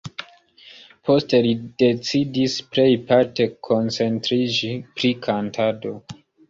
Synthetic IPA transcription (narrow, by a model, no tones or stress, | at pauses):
pʰo̞ste̞lide̞t͡sidisple̞jpaɾte̞kʰo̞nt͡se̞ntɾid͡ʒipɾikʰantʰado̞